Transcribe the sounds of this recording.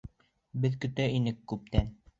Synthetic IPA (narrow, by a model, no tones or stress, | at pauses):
bɘðkɵ̆t̪æinɘkːʉp̚t̪æn